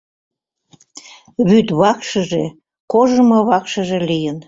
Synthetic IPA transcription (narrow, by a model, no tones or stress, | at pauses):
βyt̪βɑkʃəʒe | koʒəmoβɑkʃəʒelijən